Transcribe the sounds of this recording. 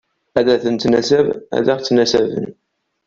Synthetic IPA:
æðæθənt̪næsævæ̰ðæʁt͡sːnæsævə̰n

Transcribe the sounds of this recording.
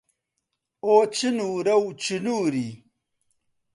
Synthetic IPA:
oːt͡ɕinuːɾɐwt͡ɕinuːɾi

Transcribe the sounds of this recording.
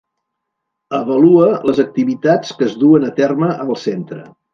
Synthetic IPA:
əβəluələzək̚t̪iβit̪at͡skəzðuənət̪ɛrməʔəlˠsent̪ɾə

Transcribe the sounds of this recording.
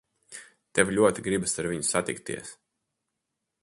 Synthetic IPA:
t̪ɛvlʲuɔt̪iɡɾibasaɾviɲusat̪ikt̪ḭɛs

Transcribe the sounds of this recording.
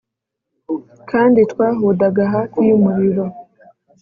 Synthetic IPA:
kʰaːnditwaːɦudaɡaɦakwiumuɾiɾo̞

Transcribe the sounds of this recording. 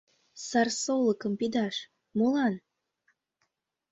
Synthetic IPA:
sɑrsolˠəkəmpid̪ɑʃ | molɑn

